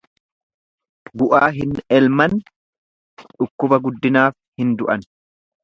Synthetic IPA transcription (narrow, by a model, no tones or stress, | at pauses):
ɡʊʔaːɦɪnɛlmɐn | ᶑʊkːʊbɐɡʊd̪ːɪnaːf | hɪnd̪ʊʔɐn